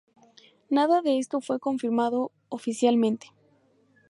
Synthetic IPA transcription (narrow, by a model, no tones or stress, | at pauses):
naðaðe̞est̪o̞fwe̞ko̞ɱfiɾmaðo̞ː | fisjalmẽ̞nt̪e̥